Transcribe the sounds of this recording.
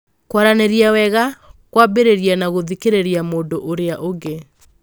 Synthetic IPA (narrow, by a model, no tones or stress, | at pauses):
kwaɾaneɾjawɛɣakwabeɾeɾianaɣoðikeɾeɾiamoːndoʔoɾeaʔoɡe